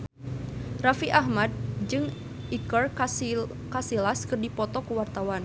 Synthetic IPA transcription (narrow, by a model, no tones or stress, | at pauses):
rafiʔahmad̚d͡ʒɨŋ | ʔikər | kasilaskɨrdipɔt̪ɔkuwart̪awan